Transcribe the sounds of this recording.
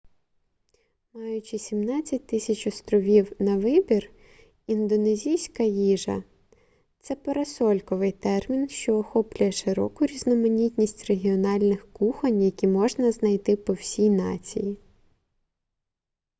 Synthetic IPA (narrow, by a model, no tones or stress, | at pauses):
mɑjʊt͡ʃisʲimnɑt͡sʲːɐt̚ʲt̪ɪsʲɐt͡ʃɔst̪ɾɔʋʲiwnɐʋɪbʲir | ind̪ɔnezʲijsʲkɐjiʒɐ̰ | t̪sɛpɐɾɐsɔlʲkɔʋɪjt̪ɛrmʲinʃt͡ʃɔːxɔplʲʊjɛʃɪɾɔ̰kʊɾʲiznɔmɐnʲitʲnʲisʲtʲreɦʲiɔnɑlʲnɪxkuxɐnʲjɐkʲimɔʒnɐznɐjt̪ɪpɔwsʲijnɑ̰t͡sʲḭji